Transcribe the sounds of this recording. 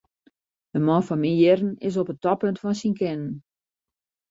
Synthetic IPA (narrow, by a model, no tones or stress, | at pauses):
əmɔnfɔnmijɪrn̩ɪ̰s̬opətɔpøntfɔnsinkɪnən